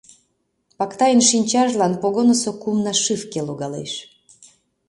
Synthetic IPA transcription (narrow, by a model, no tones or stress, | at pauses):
pɑkt̪ɑjənʃinʲt͡ɕɑʒlɑnpoɣonosokumnɑʃɨfkeloɣɑlḛʃ